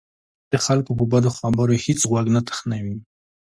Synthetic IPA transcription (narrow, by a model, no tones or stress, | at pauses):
d̪̥əxalkopəbad̪oxabəɾohit͡sɣwaɡnat̪ə̥xnawi